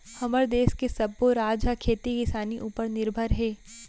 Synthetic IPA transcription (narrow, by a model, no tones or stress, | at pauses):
hɐməɾd̪eːskesɐbːoɾaːd͡ʒɦakʰeːt̪ikɪsaːniʔuːpəɾnɪɾbʱəɾɦɛː